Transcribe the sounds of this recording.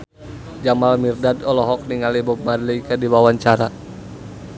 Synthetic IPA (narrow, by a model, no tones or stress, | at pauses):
d͡ʒamalmirdadɔlɔɦɔk̚niŋalibɔb̚madliikadiwawaɲt͡ʃaɾa